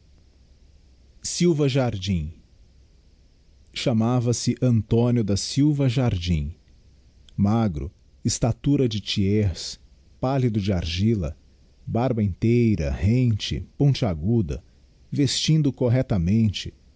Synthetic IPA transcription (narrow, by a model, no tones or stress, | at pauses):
siwvɐʒaɾd͡ʒĩ | ʃamavɐsɪʔɐ̃nt̪õnjʊd̪ɐsiwvɐʒaɾd͡ʒĩ | maɡɾʊ̰ | ɪst̪at̪uɾɐd͡ʒɪt͡ʃiɛs | palid̪ʊd͡ʒɪaɾʒilɐ̰ | baɾbɐẽnt̪ejɾɐ̰hẽnt͡ʃɪ̰põnt͡ʃɪaɡud̪ɐ̰ | vest͡ʃĩnd̪ʊkoɦɛt̪ɐmẽnt͡ʃɪ̥